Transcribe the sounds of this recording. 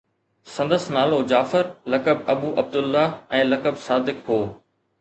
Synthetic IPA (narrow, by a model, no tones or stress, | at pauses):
sɐ̃nd̪əsnaːlod͡ʑaːfɪɾlɐkəb̚ɐbuːʔɐb̚d̪ʊlːaɛ̃ːlɐkəbsaːd̪ɪkɦoː